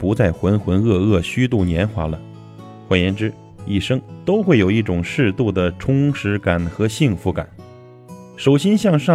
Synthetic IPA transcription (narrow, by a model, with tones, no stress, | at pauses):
pu˧˥t͡sa˥˩ɪxwə˧˥nxwə˧˥nɤ˥˧ɤ˥˩ɕy˥t̪u˥˩njɛ˧˥nxwa̰˧˥lə̰˧ | xwa˨˥˩jɛ˧˥nʈ͡ʂɻ̩˥ | i˥˩ʂɤ˥ŋt̪o˥ʊxwe˥˩ɪjo˨˩ʊi˥˩ʈ͡ʂʊ˨˩ŋʂɻ̩˥˧t̪u˥˩d̪ə˩ʈ͡ʂʰʊ˥ŋʂɻ̩˧˥ka˨˩nxɤ˧˥ɕi˥˧ŋfu˧˥ka̰˨˩˦n | ʂo˨˩ʊɕjɛ˥nɕjɑ˥˧ŋʂɑ˥˩